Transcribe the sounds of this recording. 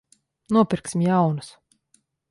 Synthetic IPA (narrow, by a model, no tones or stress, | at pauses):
nuɔpʲiɾksimjawnus